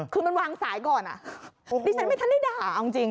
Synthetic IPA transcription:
kʰɯː˧ma˧nwaː˧ŋsaː˩˦jkɔː˨˩nʔa̰˨˩ʔdiː˧a˦nma˥˩jt̪ʰa˧nda˥˩daː˥˩ʔa˧wi˧t͡ɕi˧ŋ

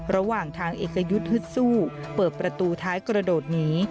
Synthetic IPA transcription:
ɾa˧waː˨˩ŋt̪ʰaː˧ŋʔeː˨˩kːa˧ju˦˥t̪̚hɯ˦˥t̪̚suː˥˩ | pɤː˨˩t̪̚pɾa˧t̪uː˧t̪ʰaː˦˥jkɾa˧doː˨˩t̪̚niː˦˥

